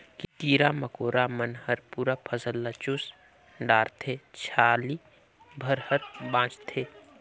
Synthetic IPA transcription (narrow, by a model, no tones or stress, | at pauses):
kit̪iːɾaməkoːɾamənhəɾpuːɾapʰəsəlːat͡ʃʊs | ɖaːɾt̪ʰet͡ʃʰaːli | bʱəɾhəɾbãːt͡ʃt̪ʰeː